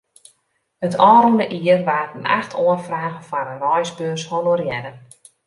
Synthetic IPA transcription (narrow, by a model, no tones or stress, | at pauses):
ətʰɔːɾundəʔiːərʋaːtəna̰xtʰoənfraːɣənfanərɔjsbøːrsholorjɛdə